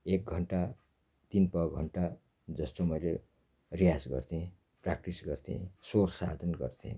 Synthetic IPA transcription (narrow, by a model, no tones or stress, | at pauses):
ek̚ɡʱʌɳʈa | t̪inpʌɡʱʌɳʈa | d͡zʌst̪omʌjle | rijad͡zɡʌ̰rt̪ʰiẽ | prak̚ʈisɡʌrt̪ʰḭ̃sorsa̰d̪ʱʌnɡʌ̰rt̪ʰḭ̃